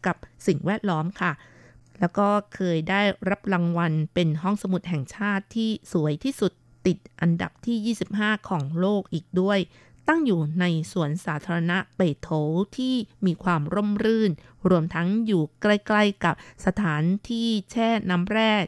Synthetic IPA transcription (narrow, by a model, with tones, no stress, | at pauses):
ka˨˩p̚si˨˩ŋwɛː˥˩t̪̚lɔː˦˥mkʰa˥˩ | lɛː˦˥wkɔː˥˩kʰɤː˧jdaː˥˩jɾa˦˥p̚la˧ŋwa˧npe˧nɦɔ˥˩ŋsa˧mu˨˩t̪̚ɦɛ˨˩ŋt͡ɕʰaː˥˩t̪ʰːiː˥˩su˩˦əjt̪ʰiː˥˩su˨˩t̪ːi˨˩t̪̚ʔa˧nda̰˨˩p̚t̪ʰiː˥˩jiː˥˩si˨˩p̚haː˥˩kʰɔː˩˦ŋloː˥˩k̚ʔiː˨˩k̚du˥˩əj | t̪a˥˩ŋjuː˨˩na˧jsu˨˩ənsaː˩˦t̪ʰaː˧ɾa˧na˦˥ʔpe˨˩t̪ʰo˨˦wt̪ʰiː˥˩miː˧kʰwaː˧mɾo˥˩mɾɯː˥˩n | ɾu˧əmt̪ʰa˦˥ŋjuː˨˩kɾa˧jkla˧jka˨˩p̚sa˧t̪ʰaː˩˦nt̪ʰiː˥˩t͡ɕʰɛː˥˩naː˦˥mɾɛː˥˩